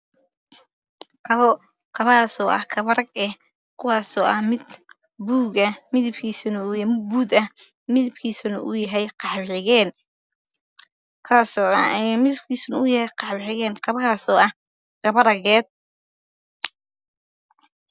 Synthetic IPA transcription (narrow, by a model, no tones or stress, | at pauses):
ʔɐβɔ | qɑβɐhaːsɔːʔɐ̰hkʰɐβɐɾɐɡɛh | kʰʊwɑːsɔːʔɐhmɪd̪ | buːɣɐmɪðɪbkʰiːsɐnʊjbuːd̪ɐh | mɪðɪbkʰiːsɐnʊ̰ʔʊ̰jɐɦɛjqɑħbħɪɣɛːn | kʰaːsɔːɐjmɪðɪb̚kʰiːsnʊjɐhɛjqɑħbħɪɣɛːnqɑβɐhaːsɔːʔɐh | ɡ̥ɐβɐɾɐɣɛːd̪̚